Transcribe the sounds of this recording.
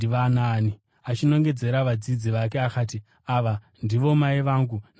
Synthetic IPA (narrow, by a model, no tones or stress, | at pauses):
iʋanaːni | at͡ʃino̞ŋɡe̞d͡ze̞ɾaʋad͡zid͡ziʋak̬e̞akaːti | aʋa | ndiʋo̞maiʋaːŋɡun